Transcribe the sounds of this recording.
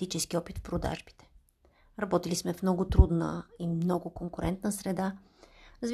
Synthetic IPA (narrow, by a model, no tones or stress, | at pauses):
it͡ʃɛskiɔpit̪fpɾod̪a̰ʒbi̥t̪ɛ̥ | ɾɐbɔt̪ilismɛfmnɔɡʊt̪ɾud̪nə̰imnɔɡʊkoŋkʊɾʔɛnt̪nəsɾɛd̪a | ɾzv